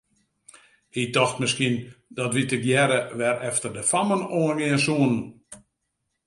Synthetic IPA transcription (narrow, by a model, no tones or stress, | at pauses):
ɪdɔxtmɪskindɔtʋitəkjɛɾəʋɛrɛftərdəfamənoːənʋiənsuənn̩